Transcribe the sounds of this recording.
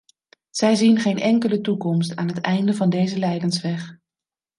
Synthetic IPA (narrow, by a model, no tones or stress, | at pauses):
z̥ɛjzinχejnʔɛŋkələtukɔmstaːnɦətɛjndəvɑndejzəlɛjdənsʋɛχ